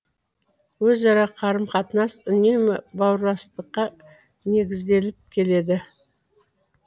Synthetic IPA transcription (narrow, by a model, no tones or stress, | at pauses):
wɵzɑɾɑqʰɑɾəmqʰɑt̪ənɑsʏne̞mɪbɑwəɾlˠɑst̪əqːɑ | ne̞ɡʲɪzd̪e̞lɪp̚kʲʰe̞le̞d̪ɪ